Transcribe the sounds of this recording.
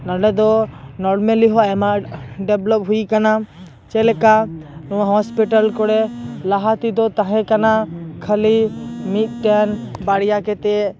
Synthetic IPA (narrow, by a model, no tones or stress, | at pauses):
naɖɛd̪ɔnɔɾmeliɦɔɛmaɖɛblɔp̚ɦujkana | t͡ʃɛlekanɔwãɦɔspiʈəlkɔɽɛlaɦat̪id̪ɔt̪aɦɛ̃kanakʰəlimit̪̚ʈɛnbaɽijakɛt̪e